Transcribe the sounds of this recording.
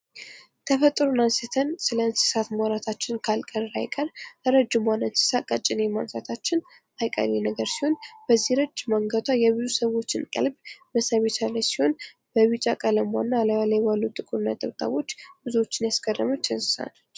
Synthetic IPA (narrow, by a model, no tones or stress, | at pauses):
t̪ʰəfət̪ʼːɾonansət̪ʰənsɨləɨnsɨ̥sat̪maɾat̪ʰat͡ʃːɪnkʰalkʼəɾajkʼəɾəɾəd͡ʒːɨmwanənsɨ̥sakʼət͡ʃʼːɪnemansat̪ʰat͡ʃːɪn | ajkʼə̰ɾenəɡəɾsiho̞nb̥əzːihɾəd͡ʒːmaŋɡət̪ʰajɛβɨzusəβo̞t͡ʃːɪnkʼə̰lbməsaβet̪alajsiho̞n | b̥əβit͡ʃʼakʼələmwanːaləalajwalːut̪ʼɨkʼɨɾɨnːa̰t̪ʼəβt̪ʼa̰βo̞t͡ʃːbɨzuo̞t͡ʃːɪnjaskʼədəmut͡ʃ̪ʰənsɨ̥sa̰n